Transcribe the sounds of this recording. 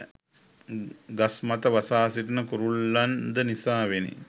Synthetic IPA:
ɡasmat̪əʋasaːsiʈənəkuɾulːand̪ənisaːʋenḭ

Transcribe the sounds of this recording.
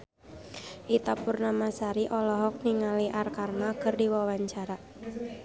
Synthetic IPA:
ʔit̪apurnamasaɾiʔɔlɔɦɔk̚niŋaliʔarkarnakɨrdiwawaɲt͡ʃaɾa

